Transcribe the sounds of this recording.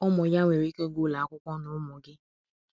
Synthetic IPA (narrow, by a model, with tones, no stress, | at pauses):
ɔ˦mɔ˨ja˦ŋʷe˨ɾi˦ke˦ɡʊ˦˨la˨a˦kʷʊ˦kʷɔ˦nʊ˨˦mʊ˨ɡɪ˦